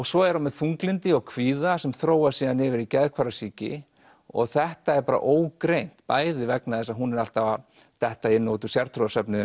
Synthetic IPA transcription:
ɔɣsɔɛɾamɛðθuŋklɪnt̪ɪɔɣkʰviːðasɛmθɾoːwasiːðanɪvɪɾicɛðkʰvaɾasiːcɪ̰ | ɔ̰ɣθɛht̪aɛɾpaːɾa̰ʔoːwkɾejn̥t̪paːjðɪvɛknaðɛsaðɦunɛɾal̥t̪ava | θɛht̪aɪnːoːwt̪ʏ̥sjaɾ̥t̪ʰɾoðasœpnɪ

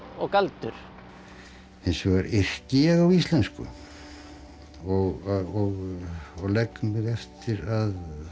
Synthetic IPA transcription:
ɔɣkalt̪ʏɾ̥ | θɛnsʏɣaɾɪr̥cɪɛɣawist̪lɛnskʏ̰ | ɔɣɔɣɔɣlɛkːʏmvɪðɛft̪ɪɾað

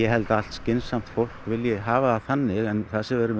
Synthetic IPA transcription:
jɛɦɛlt̪aal̥t̪scɪnsam̥t̪fowl̥kvɪljɪɦaːvaːðθanːɪɣɛnθasɪvɛɾɪ

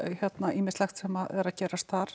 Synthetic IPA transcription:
çjɛt̪naʔiːmɪ̥st̪lɛxt̪sɛːmaðɛ̰ɾaðcɛːɾast̪aɾ̥

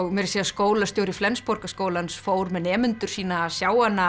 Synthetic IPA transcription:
ɣmɛɾɪseːðaskoːwlast̪joːwɾɪflɛnspɔɾkaskoːwlansfoːwɾmɛnɛːmʏnt̪ʏ̥siːnaːsjaːwanːa

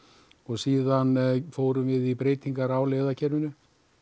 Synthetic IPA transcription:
ɔɣsiːðanfoːwɾʏmvɪðipɾeːjt̪iŋkaɾawlejðacʰɛɾmʏnʏ

